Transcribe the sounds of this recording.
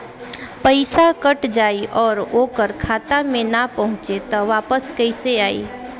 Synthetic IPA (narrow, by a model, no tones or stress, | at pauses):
pəɪsakəʈd͡ʒaːiʔɔːɾoːkəɾkʰaːt̪amẽnapɐɦʊ̃t͡ʃet̪ɔʋaːpəskɐɪseaːḭː